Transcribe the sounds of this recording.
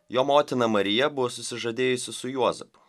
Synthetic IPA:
joːmoːt̪ʲɪnɐmɐɾʲɪjɛbʊʋoːsʊsʲɪʒɐd̪ʲeːjʊsʲɪsʊjuɔzʲɛpʊ̥

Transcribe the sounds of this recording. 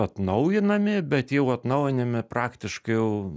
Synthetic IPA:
ɐt̪nɐʊjɪnɐmʲɪbʲɛt̪jɛʊɐt̪nɐʊjɪnɐmʲɪpɾɑːkt̪ʲɪʃkɐɪjɛʊ

